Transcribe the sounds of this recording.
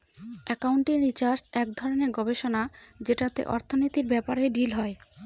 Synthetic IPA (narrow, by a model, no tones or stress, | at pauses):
ɛkawɳʈiɾit͡ɕaɾsɛkd̪ʱɔɾoneɾɡɔbeʃonad͡ʑeʈat̪ḛʔɔɾt̪ʰonit̪iɾbɛpaɾeɖilɦɔe